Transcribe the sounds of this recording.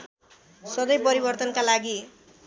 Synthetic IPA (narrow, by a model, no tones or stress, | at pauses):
sʌd̪ʌjpʌɾibʌrt̪ʌnkalaɡi